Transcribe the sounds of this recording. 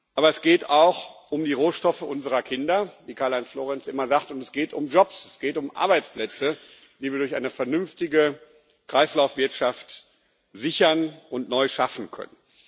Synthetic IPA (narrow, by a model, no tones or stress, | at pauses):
ʔaːβɐɛsɡ̥eːtaʊxʔʊmdiːʁoːʃtɔfəʔʊnzəʁ̞ɐkʰɪndɐviːkʰaːɐlaɪnsfloːʁɛnsʔɪmɐzaχtʊntɛsɡ̥eːtʊmd͡ʒɔpsɛsɡ̥eːtʊmʔa̰ɐbaɪt͡splɛt͡sə | v̥iːviːɐdʊɐçʔa̰ɪnəfɛɐnʏmftɪɡə | kʁ̥aɪslaʊfv̥ɪɐtʃaft | z̥ɪçɐnʔʊntnɔʏʃafn̩kʰœ̰nən